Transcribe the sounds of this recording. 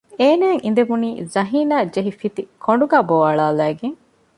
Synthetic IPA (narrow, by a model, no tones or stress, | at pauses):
eːnæːŋind̪eʋuniːzɐɦiːnaːd͡ʒeɦifit̪ikʰoɳɖuɡaːboʋɐɭaːlæːɡeŋ